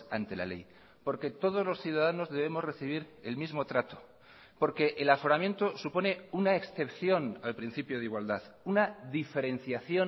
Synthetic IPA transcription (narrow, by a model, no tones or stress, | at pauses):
a̰nt̪e̞la̰le̞̰j | po̞ɾke̞t̪o̞ð̞o̞zlo̞sθjuðaðano̞zðe̞β̞emo̞zre̞θiβ̞iɾe̞̰lmizmo̞t̪ɾat̪o̥ | po̞ɾke̞ʔelafo̞ɾamje̞nt̪o̞supo̞ne̞unaeksθe̞pθjo̞nalpɾin̟θipjoð̞iɣwald̪aðunaðife̞ɾe̞n̟θjaθjo̞